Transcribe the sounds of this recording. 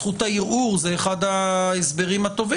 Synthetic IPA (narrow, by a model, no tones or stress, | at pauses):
χut̪aiʁʔuʁzeːχad̪aesbe̞ʁimhat̪o̞vi